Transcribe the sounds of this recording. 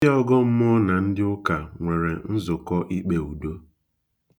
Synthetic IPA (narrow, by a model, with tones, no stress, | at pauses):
ɔ˦ɡɔ˦m̩˦mʊ˦na˨n̩˦dɪ˦ʊ˦ka˨ŋʷe˨ɾe˨n̩˦zʊ˨kɔ˦ʔi˦k͡pe˨u˨do˦